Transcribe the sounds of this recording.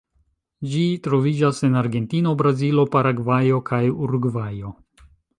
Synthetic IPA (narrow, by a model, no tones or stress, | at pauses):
d͡ʒitɾo̞vid͡ʒase̞naɾɡe̞ntino̞bɾazilo̞paɾaɡvajo̞kʰajuɾɡvajo̞